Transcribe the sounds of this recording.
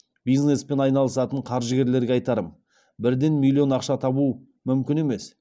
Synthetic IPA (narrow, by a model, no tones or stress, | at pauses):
bijzne̞spe̞nɑjnɑlˠəsɑt̪əɴqʰɑɾʒəɡʲe̞ɾle̞ɾɡʲeɑjt̪ɑɾəm | bɪɾd̪e̞nmʲilʲˠːio̞nɑqʃɑt̪ʰɑbu | mʏmkʲɪne̞me̞s